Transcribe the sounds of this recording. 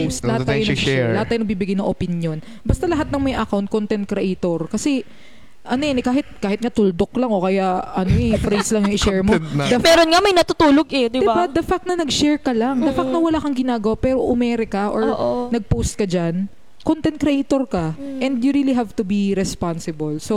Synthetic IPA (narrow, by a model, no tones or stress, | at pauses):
post̪ɐhaaːjʊnɡɛlɐhat̪ːaːjʊnɐɡbibɪɡajnɐŋʔopɪnjon | bɐst̪ɐlɐɦat̪nɐŋmɐjʔɐkawnt̪̚kont̪ɛnt̪̚kɾɛʔejt̪oɹkɐsɛ | ʔɐnojɐnɛkaːɦɪt̪̚kaːhɪt̪̚ŋɐt̪ʊld̪oklɐŋʔokɐjaɐnoʔɛfɾɛnslɐŋjjʊŋɪʃɛɹmodd̪ɐmɛːɾonŋɐmɐjnɐt̪ʊt̪uːloɡɛd̪ɪd̪bad̪ɐfak̚t̪̚nɐnɐɡʃɛɹkɐlaŋd̪ɐfakt̪nɐwɐlaːkɐŋɡɪnaːɡɐwapɛːɾoʔʊmɛːɾɛkɐʔoɹʔonɐɡ̚powst̪̚kɐd͡ʒan | kont̪ɛnt̪̚kɾɛʔejt̪oɾkɐʔɛnd̪jʊɾiːliɦavt̪ʊbiɾɛspansɪbɐlso